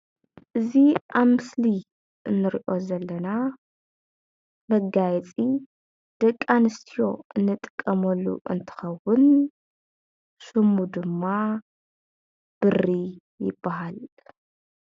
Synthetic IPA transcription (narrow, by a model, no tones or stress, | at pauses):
ʔɨziʔaβmɨsli | ʔɨnːɨɾiʔo̞zɐlːɐna | mɐɡajɛt͡sʼi | d̪̥ɐkʼːanɨst̪ʰijo̞ɨnːɨt̪ʼɨ̥kʼːɐmɐlːṵʔɨ̰nt̪ʰɨ̥xɐwʊn | sɨmːud̪ɨmːa | b̥ɨri | jɪbːaɦal